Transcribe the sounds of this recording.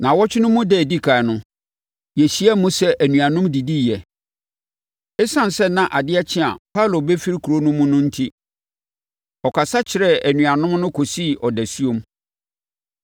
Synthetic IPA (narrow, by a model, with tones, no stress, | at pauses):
nã˨wɔ˦t͡ɕʰᶣɪ˦nʊ̃˦mʊ̃˦dɛ˦˨di˦kʰa˨nʊ̃˦ | jɛ˨ɕi˦ɛ˦mũ˦sɛ˦ʔæ˨nũ˨a˨nʊ̃˦mdi˨di˦˨jɛ˨ | ɛ˦sã˦n˨sɛ˦nã˨ʔa˨dɪ˦ɛ˦t͡ɕʰɪ̃˦a̰˨pʰa˦˨lo˨bɛ˦fi˦ɾi˦kʰu˨ɾo˦nʊ̃˦mũ˦nʊ̃˦n̩˦tʰi˦ | ɔ˨kʰa˨sa˦t͡ɕʰɪ˨ɾɛ˦æ˨nɥũ˨a˨nʊ̃˦mnʊ̃˦kʰo˨si˦˨ʔɔ˨dɛ˨su˦o˦m